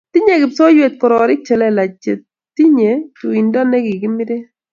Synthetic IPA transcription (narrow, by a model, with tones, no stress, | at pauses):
t̪i˦ɲe˦˨kɪ˨psɔ˦jwe˨t̪̚kɔ˨ɾɔ˨ɾɪ˦k̚t͡ʃɛ˨lɛ˦la˨t͡ʃe˨t | ti˦ɲe˨tu˨i˨nda˦nɛ˦ɡɪ˨kɪ˦mɪ˦de˦